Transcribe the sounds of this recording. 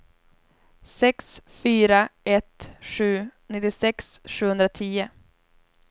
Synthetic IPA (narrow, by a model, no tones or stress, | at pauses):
sɛksfyːɾaʔɛt̪ʂʉ̟ːnɪt̪ːɪsɛksɧʉːhɵnɾat̪ʰiːə